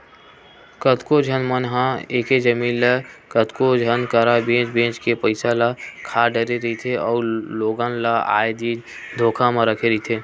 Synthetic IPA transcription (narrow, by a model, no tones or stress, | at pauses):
kət̪kod͡ʒʱənmənɦãeːked͡ʒəmiːnlekət̪kod͡ʒʱənkəɾabẽːt͡ʃbẽːt͡ʃkepəɪsalakʰaːɖəɾeɾit̪ʰeɔːɾloːɡanlaa̰ːed̪iːd͡ʒ | d̪ʱoːkʰãmẽɾəkʰeɾit̪ʰeː